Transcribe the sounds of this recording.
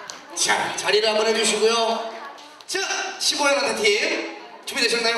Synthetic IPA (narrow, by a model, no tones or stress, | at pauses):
t͡ɕat͡ɕaɾiɾɯɦambʌnɦed͡ʑuɕ̬ʰiɡujo | t͡ɕɯɕʰimoeŋʌnʰantʰim | t͡ɕumideɕ̬ʰʌŋna